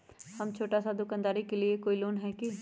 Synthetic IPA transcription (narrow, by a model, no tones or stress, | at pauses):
həmt͡ʃʰoːʈaːsad̪ʊkãnd̪aːɾikeliekoːiloːnɦɛːki